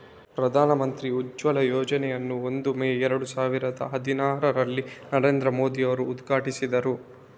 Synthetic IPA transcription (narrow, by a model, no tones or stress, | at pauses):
pɾɐd̪ʱaːnɐmɐnt̪ɾiud͡ʒʋɐlɐjoːd͡ʒɐnɛjɐnːuo̞nd̪umeːɛɾɐɽusaːʋiɾɐd̪ɐ̰ɦɐd̪inaːɾɐɾɐlːinɐɾe̞ːnd̪ɾɐmo̞ːd̪iɐʋɐɾuːd̪ɡʱaːʈisid̪ɐɾu